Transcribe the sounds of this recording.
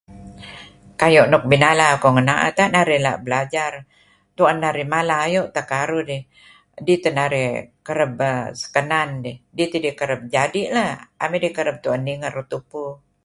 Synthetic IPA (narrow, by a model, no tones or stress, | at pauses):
kajoʔnɔk̚binalakoŋənaʔa̰t̪aʔnaɾɪhla̰ʔbəlad͡ʒar | t̪uanːaɾɪhmalaɦajoʔt̪akaɾudɪh | dit̪ənaɾɪhkəɾəb̚əsə̥kənandɪhdit̪idikəɾəb̚d͡ʒadiʔlaha̰medihkəɾəb̚t̪uanːiŋərut̪upu